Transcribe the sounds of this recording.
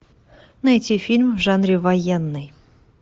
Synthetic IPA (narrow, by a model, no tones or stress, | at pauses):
nɐɛtʲifʲilʲmvʐanɾʲɪvɐjenːɨj